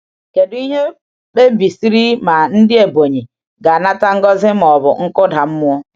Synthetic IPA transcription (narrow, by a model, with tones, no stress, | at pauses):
ke˨di˦ɦe˦ | ɓe˦bi˨si˦ɾi˦ma˨n̩˦dɪ˦e˨bo˨ɲi˨ | ɡa˨na˦ta˦ŋ̩˦ɡɔ˦zɪ˦m˨ɔ˨bʊ˨ŋ̩˦kʊ˦da˨m̩˦mʊ˦ɔ˦